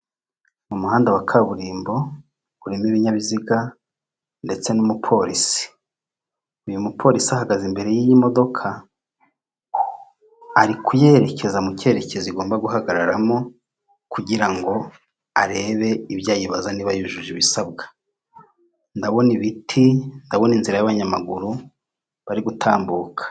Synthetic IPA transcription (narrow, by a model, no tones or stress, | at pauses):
mumuhaːndawakʰaβuɾiːmbo̞ | βuɾimiβiɲaβiziɡa | nde̞t͡se̞numupʰo̞ɾisi̥ | ujumupʰo̞ɾisiahaɡazimbe̞ɾe̞jiimo̞do̞kʰa | aɾikuje̞ɾe̞cʰe̞zamuce̞ːɾe̞cʰe̞ziɡo̞ːmbaɡuɦaɡaɾaɾamo̞ | kuɟiɾaŋɡo̞ | aɾe̞ːβe̞iβjaːjiβazaniβajuʒuʒiβisaβɡḁ | ndaβo̞niβitʰindaβo̞ninziɾajaβaɲamaɡuɾu | βaɾiɡutʰaːmbuːkʰḁ